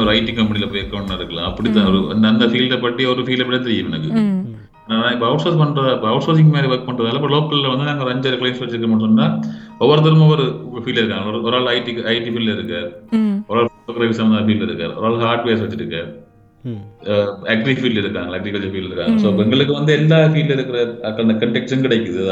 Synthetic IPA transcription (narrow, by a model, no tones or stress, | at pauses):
ɔɾɐɪʈːɪŋkɐmpɐnɪlɐpːoɛɾkːɐʋɳnaːɪɾɯkːɐɭã̰ːɐpːɐɽɪt̪ːãːɔɾɯɐ̰nd̪ɐnd̪ɐfiːlɖɐpɐʈːiɔɾɯfiːlɛpːɪɽɐt̪ɛɾɪjɯmɛnɐkːɯ | aːnaːnãːɪpːoɐʊʈsoːspɐɳːɾɐðaɪpːoɐʊʈsoːs̬ɪŋɡmaːðiʋɐɾk̚pɐɳːɾɐðaːlɐɐp̬ːɐloːkːɐllɐʋɐnd̪ɯnaːŋɡɐɾɛɲd͡ʒɐɾɯklɐɪmsʋɐt͡ʃːɪʈɾɯkːɐmɐʈːɯnːaːɔʋɐɾɯt̪̬ːɐɾɯmɔʋɐɾɯfiːlɐɪɾɯkːaːŋɡɐɭɔɾɔɾaːɭɐɪʈiɐɪʈːifiːlːɪɾɯkːaːɾɔʋɾaːɭokːɾɐʋɪsɐmɐnɐfiːlɪɾɯkːa̰ːɾɔ̰ɾaːɭɦaːɾʈʋeːsʋɐt͡ʃːɪʈɾɯkːa̰ːɾ | ɐɡɾifiːlɪɾɯkːaːŋɡɐɭɐɡɾikɐɭd͡ʒɐfiːlɪɾɯkːa̰ːŋɡɐɭsoːpɛŋɡɐɭɯkːɯʋɐnd̪ɯɛlːaːfiːllɐɪɾɯkːɪɾɐɐkːɐnɐkɐɳʈɛkʈʂɐnkɪɽɛɪkːɯðɯðã